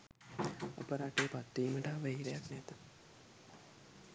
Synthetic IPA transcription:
a̰pəɾaʈeːpat̪ːiːməʈaːʋəɦiɾejaknɛt̪ə̥

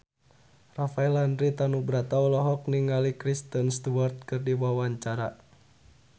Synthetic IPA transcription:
rafaɛlandɾit̪anubɾat̪aulɔɦɔk̚niŋalikɾist̪ənst̪uwart̪̚kɨrdiwawaɲt͡ʃaɾa

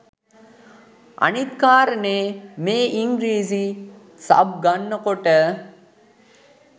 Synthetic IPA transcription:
ʔɐ̰nit̪kaːɾəneːmeːʔiŋɡɾiːzi | sɐ̰b̚ɡɐnːəkoʈə

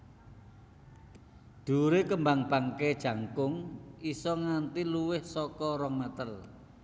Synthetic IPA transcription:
d̪̥ṳɾekəmbaŋb̥aŋked̥ʒ̥a̤ŋkʊŋisɔŋant̪iluwɪhsɔkɔɾɔŋmət̪əl

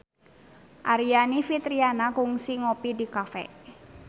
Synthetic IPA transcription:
ʔaɾianifit̪ɾianakuŋsiŋopidikafɛ̰

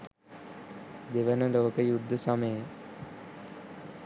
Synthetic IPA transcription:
d̪eʋənəloːkəjud̪ʱːəsɐməjə

